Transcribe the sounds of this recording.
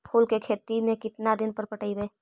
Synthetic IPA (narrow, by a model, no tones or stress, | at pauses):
pʰoːlkekʰeːt̪imẽkɪt̪nad̪ɪnpəɾpəʈəibeː